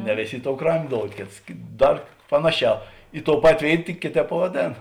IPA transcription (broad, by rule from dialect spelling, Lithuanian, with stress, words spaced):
nʲɛ ˈʋʲeːˌsʲeː ˈɪ ˌtoːʊ ˈkrɑːmʲeː ˈdoːʊt ˈkʲeːts ˈdɐr ˈpɑːnɐˌʃʲæː ɪ toːʊ ˈpɑːtʲeː ˈʋʲeːɪt tʲɪk ˈkʲeːˌtʲɛːp pɐʋɐˈdʲeːn